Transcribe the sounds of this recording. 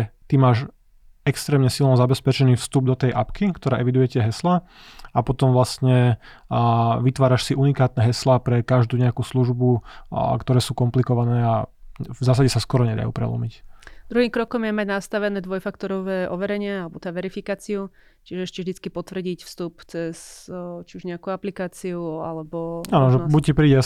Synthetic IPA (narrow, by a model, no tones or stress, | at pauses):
t̪imaːʃ | ɛkst̪ɾɛːmɲɛsilnɔzabɛspɛt͡ʃɛniːfst̪ub̚d̪ɔt̪ɛjʔapkikt̪ɔɾaːʔɛʋid̪ujɛcɪɛɦɛsla | apɔt̪ɔmʋlast̪ɲɛ | ʋit̪ʋaːɾaʃsiʔunikaːt̪̚nɛɦɛslaːpɾɛkaʒd̪uːɲɛakuːsluʒbukt̪ɔɾɛːsuːkɔmplikɔʋanɛːavzaːsaɟɛsaskɔɾɔɲɛd̪a̰jṵːpɾɛ̰lɔ̰micd̪ɾuɦiːmkɾɔkɔmjɛmaɟnast̪aʋɛnɛːd̪ʋɔjfakt̪ɔɾɔʋɛːʔɔʋɛɾɛɲɪɛalɛbɔt̪aːʋɛɾifikaːt͡siu | t͡ʃiʒɛɛʃcɛvʒd̪it͡skipɔt̪ʋr̩ɟicfst̪upt͡sɛst͡ʃiuʒɲɛakuaplikaːt͡siua̰lɛbɔanɔʒɛbuc̚cːipɾiːɟɛ